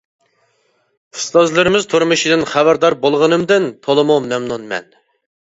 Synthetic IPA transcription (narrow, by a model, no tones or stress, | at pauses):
ɨ̥st̪ɑzlˠɨɾɪmɪzt̪ʰʊɾmuʃid̪ɨnχæbæɾd̪ɑɾbolˠʁənɨmd̪ɪnt̪ʰolˠɨmumɛmnunmɛ̰n